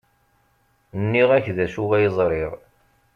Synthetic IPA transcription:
nːiʁæçðæʃuʁæjəzˤɾˤɪʁ

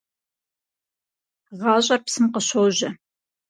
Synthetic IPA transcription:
ʁɑːɕʼɐrpsɨmqəɕowʑɐ

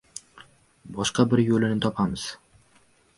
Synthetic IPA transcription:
bɒʃqɑbɪɾjolɪnɪt̪ʰɒpʰamɪz̥

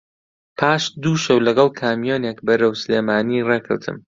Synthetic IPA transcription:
pʰaːʃd̪uːʃɐwlɐɡɑlˠkʰaːmijoːnekbɐɾɐwsɨleːmaːnirekʰɨ̰wt̪ʰɨ̰m

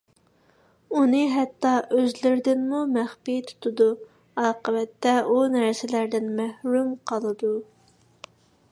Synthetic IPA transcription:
unɨɦɛt̪ːɑʔøzlɪɾd̪ɪnmumæχpijt̪ʰu̥t̪ʰɨd̪u | ɑːqəwɛt̪ːɛʔunæɾsɪlæɾd̪ɪnmæhɾymqʰəlˠɨd̪u

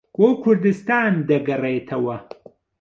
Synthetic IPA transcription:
ɡoːkʰʊɾd̪ɨst̪aːnd̪ɐɡɐret̪ʰɐwɐ

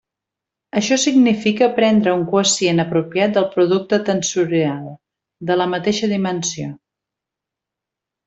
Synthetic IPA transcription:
əʃɔsiɡnifikəpɾɛnd̪ɾəuŋkuəsienəpɾupiat̪̚d̪əlˠpɾuðuk̚t̪ət̪ənsuɾealˠ | d̪ələmət̪eʃəðimənsio

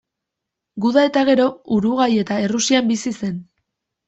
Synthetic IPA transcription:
ɡuðae̞t̪aɣ̞e̞ɾo̞uɾuɣ̞aje̞t̪ae̞rusiambisise̞n

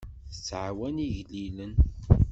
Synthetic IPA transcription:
θət͡sːʕawæniʝlilən

